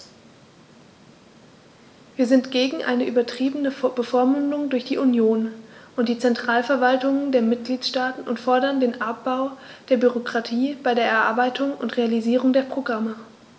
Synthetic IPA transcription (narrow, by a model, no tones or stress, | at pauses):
viːɐzɪntɡ̥eːɡŋ̩ʔa̰ɪnəʔyːbɐtʁ̥iːbənəb̥əfoːɐmʊndʊŋdʊɐçd̥iːʔunjoːnʔʊnt̚d̥iːt͡sɛntʁ̥aːlfɛɐvaltʊŋəndeːɐmɪt̚ɡ̥liːtʃtaːtn̩ʔʊntfɔɐɾɐndeːnʔap̚b̥aʊd̥eːɐbyʁ̞okʁ̥atʰiːb̥aɪɾeːɐɛɐʔa̰ɐbaɪtʰʊŋʊntʁealiziːʁ̞ʊŋdeːɐpʁ̥oɡʁamə